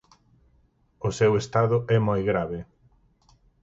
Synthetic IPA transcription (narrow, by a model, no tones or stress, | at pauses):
ʊsewest̪aðʊɛmojɣɾaβɪ